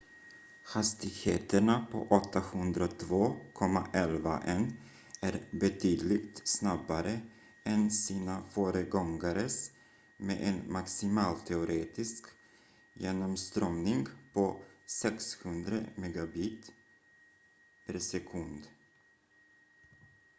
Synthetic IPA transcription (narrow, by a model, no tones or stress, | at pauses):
hast̪ɪɡheːt̪əɳapʰɔ̰ʔɔt̪ʰːahɵnd̪ɾat̪ʰvoːkʰɔmːaʔɛlva̰ʔɛnː | æɾbɛt̪ʰyːd̪lɪɡt̪snabaɾə | ɛnsiːnafœːɾəɡɔŋɡaɾəs | mḛʔɛnmaksɪmɑːlt̪ʰɛʊɾʔeːt̪ɪsk | jeːnɔmst̪ɾœmnɪŋɡpʰɔsɛkshɵnd̪ɾə̰mɛɡabiːt̪ | pʰæɾsɛkʰɵnd̪